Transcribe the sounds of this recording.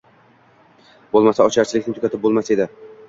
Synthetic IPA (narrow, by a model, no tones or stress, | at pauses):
bolˠmasaɒt͡ʃʰaɾt͡ʃʰɪlɪkʲnɪt̪ʰokʲat̪ʰɪp̚bolˠmased̪ɪ